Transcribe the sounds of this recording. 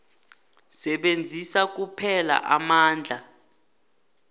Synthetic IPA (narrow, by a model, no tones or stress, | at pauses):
sɛɓend͡zʱisak̬upʰɛla̰ʔamaːnd͡ɮʱa